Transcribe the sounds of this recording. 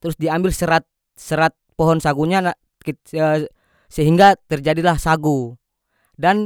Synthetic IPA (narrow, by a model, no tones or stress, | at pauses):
t̪ɾʊsdiambɪlsəɾat̪̚ | səɾat̪̚pɔɦɔnsaɡuɲan | kː | səɦiŋɡat̪ərd͡ʒadilahsaɡu | dan